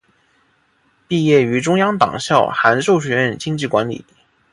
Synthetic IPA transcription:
pi˥˧jɛ˥˩y˧˥ʈ͡ʂʊ˥ŋjɑ˥ŋt̪ɑ̰˨˩ŋɕjɑ˥˩ʊxa˧˥nʂo˥˩ʊɕ̬ɥɛ˧˥ɻə˥˩nt͡ɕi˥ŋt͡ɕi˥˩kwa˧˥nlḭ˨˩˦

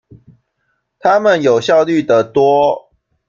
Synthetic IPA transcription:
t̪ʰa˦mə˨njo˨˩ʊɕjɑ˥˨ʊly˥˨d̪ə˨t̪wɔ˦

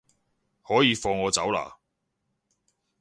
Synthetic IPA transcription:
hɔː˨˥jiː˨˧fɔː˧ŋɔː˨˧t͡sɐ˨˥wla̰ː˨˩

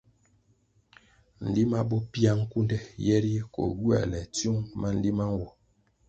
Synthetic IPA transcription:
n̩˨li˦ma˦bɔ˦pi˦a˦ŋ̩˦ku˦ndɛ˦jɛ˦ɾi˦ko̰˨ɡu˦a̰˨lɛ˨tju˦ŋma˦n̩˨li˦ma˦ŋ̩˦wɔ˨

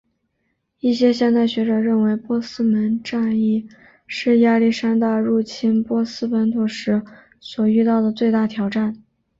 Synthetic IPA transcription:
i˥˩ɕjɛ˥ɕjɛ˥˧nt͡sa˥˩ɪɕɥɛ˧˥ʈ͡ʂɤ˨˩ɻə˥˩nwe˧˥ɪpwɔ˥sɹ̩˥mə˧˥nʈ͡ʂa˥˧ni˥˩ | ʂɻ̩˥˩ja˥˧li˥˩ʂa˥nt̪a˥˧ɻu˥˩t͡ɕʰi˥npwɔ˥sɹ̩˥pə˧˥nt̪ʰu˧˥˩ʂɻ̩˧˥ | swɔ˨˩y˥˧t̪ɑ˥˩ʊd̪ə˩t͡swe˥˧ɪt̪a˥˩t̪ʰjɑ˨˧˥ʊʈ͡ʂa˥˩n

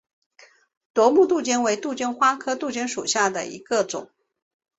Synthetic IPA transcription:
t̪wɔ˧˥mu˥˧t̪u˥˩t͡ɕjɛ˥nwe˧˥ɪt̪u˥˩t͡ɕjɛ˥nxwa˥kʰɤ˥t̪u˥˩t͡ɕjɛ˥nʂṵ˨˩ɕja˥˩d̪ə̰˩ḭ˧˥ɡə˧ʈ͡ʂʊ̰˨˩˦ŋ

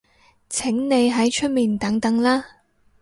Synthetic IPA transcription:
t͡sʰɪ˨˥ŋne˨˧jɦɐ˨˥jt͡ʃʰɵ˥t̚miː˨nt̪ɐ˨˥ŋt̪ɐ˨˥ŋlaː˥

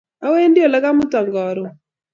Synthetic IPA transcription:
a˦we˦ndɪ˦o˨la˦ka˦mʊ˦tɔ˨ŋɡɔ˨ɾɔ˨

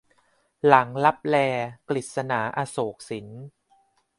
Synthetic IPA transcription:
la˩˦ŋla˦˥p̚lɛː˧kli˨˩t̪̚sa˧naː˩˦ʔaː˧soː˨˩k̚si˩˦n

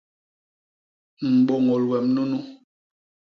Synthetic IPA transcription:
m̩˨ɓɔ˨ŋɔ˨lwɛ˨mnu˦nu˦

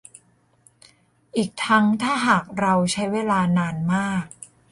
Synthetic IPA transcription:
ʔiː˨˩k̚t̪ʰa˦˥ŋt̪ʰaː˥˩ɦaː˨˩k̚ɾa˧wt͡ɕʰa˦˥jweː˧laː˧naː˧nmaː˥˩k̚

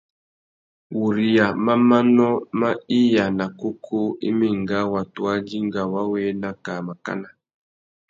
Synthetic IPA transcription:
wu˨ɾi˨ja˨ma˦ma˦nɔ˦ma˦i˦ja˨na˨ku˦kʰo˦ḭ˦mi˦ŋɡa˦wa˨twa˦d͡ʒi˦ŋɡa˨wa˦we˦na˦ka˨ma˨ka̰˦na˨

